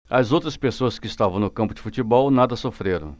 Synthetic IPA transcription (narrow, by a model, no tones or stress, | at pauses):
ɐzowt̪ɾɐspesoɐskɪst̪avɐ̃w̃nʊkɐ̃mpʊd͡ʒɪfut͡ʃibɔwnad̪ɐsofɾeɾɐ̰̃w̃